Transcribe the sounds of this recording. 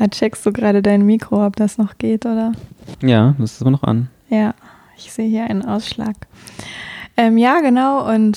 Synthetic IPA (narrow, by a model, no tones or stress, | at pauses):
at͡ʃɛkst̚d̥uːɡʁaːɾədaɪnmiːkʁ̥oɔp̚d̥asnɔχɡ̥eːtʔoːdɐjaːməstsɪmɐnɔχʔa̰n | jaː | ɪçz̥eːəhiːɐʔaɪnənʔaʊsʃla̰ːk | ʔɛːmjaːɡənaʊʔʊnt